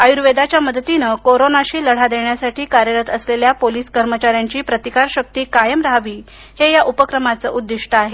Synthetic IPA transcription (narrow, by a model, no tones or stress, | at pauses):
ajuɾʋed̪at͡ɕjaməd̪t̪inəkoɾonaɕiːləɽ̤ad̪eɳjasaʈʰiːkaɾjəɾət̪əsleljapoliːskəɾmət͡ɕaɾjaɲt͡ɕiːpɾət̪ikaɾɕək̚t̪iːkajəmɾɦaʋiː | hejaʔupəkɾəmat͡sə̰ːʔud̪ːiʂʈəaɦe